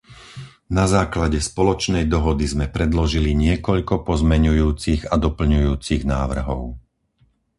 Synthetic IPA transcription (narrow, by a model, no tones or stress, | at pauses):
nazaːklaɟɛspɔlɔt͡ʃnɛjd̪ɔɦɔd̪izmɛpɾɛd̪lɔʒiliɲɪɛkɔʎkɔpɔzmɛɲujuːt͡siɣad̪ɔpl̩ɲujuːt͡siɣnaːʋr̩ɦɔʊ